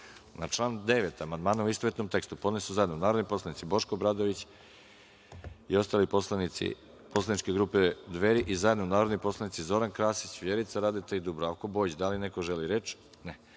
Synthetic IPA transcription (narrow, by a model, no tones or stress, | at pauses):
nat͡ʃlˠaːnd̪e̞ʋet̪amand̪maːnuuist̪oʋet̪nomt̪e̞kst̪upo̞d̪nesuzaje̞d̪nounaːɾod̪ojpo̞slanit̪sibo̞ʃkobɾad̪oʋit͡ɕ | io̞st̪aːliposlˠanit̪sḭ | poslˠanit͡ʃke̞ɡɾuːped̪ʋeɾiʔizaje̞d̪nounaːɾod̪nojpo̞slˠanit̪sizo̞ɾankɾaːsit͡ɕʋjeɾit̪saɾaːd̪et̪eid̪ubɾoako̞bo̞id͡ʑd̪alinekoʒeliɾe̞t͡ʃ | ne